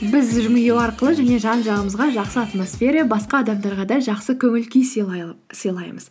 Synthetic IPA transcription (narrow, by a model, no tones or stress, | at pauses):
bɪzʒʏmɪjewɑɾqəlˠəʒæne̞ʒɑnʒɑʁəməzʁɑʒɑqsəat̪mosfʲe̞ɾəjɑbɑsqɑːd̪ɑmd̪ɑɾʁɑd̪ɑʒɑqsəkʲʰɵmɪlkʲejs | səjlˠɑjməz̥